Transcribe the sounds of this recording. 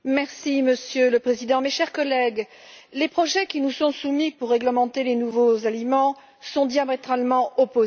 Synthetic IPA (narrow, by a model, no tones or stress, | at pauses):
mɛʁsiməsjøləpχezid̪ɑ̃meʃɛʁkɔlɛɡ | lepχɔʒɛkʲinusɔ̃sumipuʁːɛɡləmɑ̃t̪elenuvozalimɑ̃ | sɔ̃d̪jamet̪χalmɑ̃ɔpoze